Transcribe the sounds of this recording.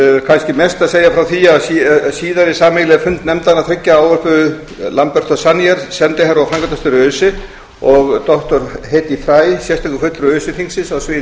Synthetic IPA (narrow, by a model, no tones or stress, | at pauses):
kʰajnscɪmɛst̪aðseːjafɾawθiːassiːðaɾɪsaːmelɪɛɾfʏnt̪nɛmt̪anaθɾɪcːaaːwvɛɾpʏðʏ | lampɛr̥t̪ɔsanːiɛɾ̥sɛnt̪ɪɦaɾɔfɾaŋkat̪ast̪ʏɾʏːsɪ | ɔɣt̪ɔht̪ɔɾ̥hejt̪ifɾaːjsjɛst̪ajkʏkfʏt̪ɾʏʏːsɪfiŋsɪnsawsvɪ